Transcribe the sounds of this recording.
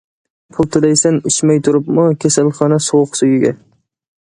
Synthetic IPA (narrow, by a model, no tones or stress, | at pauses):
pʰʊlˠt̪ʰʊd̪ajsanɪt͡ʃmajt̪ʰʊɾɪpmʊkʲʰesalχɒnasʊwqsʊjɪɡʲa̰